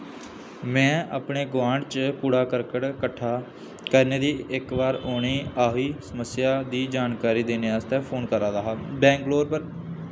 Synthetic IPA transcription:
mɛ̃ːa̰ːpɳeːɡʋãːɳɖt͡ʃpuːɽaːkəɾkəʈkəʈʰːaː | kəɾneːd̪iːɪkʋaːɾoːɳ̃iːaːɦiːsəməsːɪjaːd̪iːd͡ʒaːnkaːɾiːd̪eːneːaːst̪ɛːpʰoːnkəɾãːd̪aːɦaːbɛ̃ːŋɡloːɾpəɾ

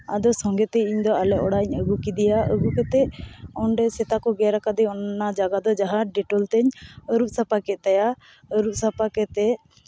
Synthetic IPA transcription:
ad̪ɔsɔŋɡɛt̪ɛiɲd̪ɔalɛʔɔɽaɲəɡukid̪ijaʔə̰ɡukɛt̪ɛɔnɖɛsɛt̪akɔɡɛɾakad̪ɛɔnnad͡ʒaɡad̪ɔd͡ʒaɦãɖɛʈɔlt̪ɛɲəɾuʔ̚sapakɛt̪ɛja | əɾup̚sapakɛt̪ɛ

